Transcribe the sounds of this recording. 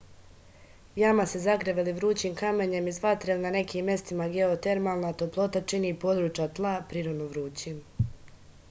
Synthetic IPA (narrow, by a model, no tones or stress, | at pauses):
jamasezakɾeʋeliʋɾuːt͡ɕimkameɲe̞mizʋat̪ɾelinane̞kʰiːmːje̞st̪imaɡe̞ot̪e̞ɾmalˠnat̪oplˠo̞t̪at͡ʃinipo̞ːd̪ɾuːt͡ʃjat̪lˠapɾiɾonuʋɾuːt͡ɕim